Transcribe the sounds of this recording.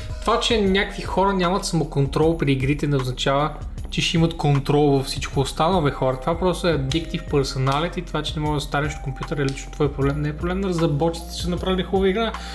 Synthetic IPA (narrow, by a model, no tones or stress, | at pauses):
t̪ovat͡ʃɛnʲakvixɔɾənʲamɐt̪sɐmokont̪ɾɔlˠpɾiːɡɾit̪ɛnɛoznɐt͡ʃavə | t͡ʃɛʃimɐt̪kont̪ɾɔlˠvɐfsit͡ʃkoːst̪anovɛxɔɾət̪ovapɾɔst̪oɛɐd̪ikt̪ifpɛɾsonalʲɛt̪it̪ovat͡ʃɛnɛmɔɡəd̪ɐst̪aɾʲɛʃt̪kompʲjut̪əɾɛlit͡ʃno̥t̪vɔjɐpɾoblɛmnɛɛːpɾoblɛmnɐɾɐzɾɐbɔt̪i̥t̪sɛnɐpɾavilʲixɔvɐiɡɾa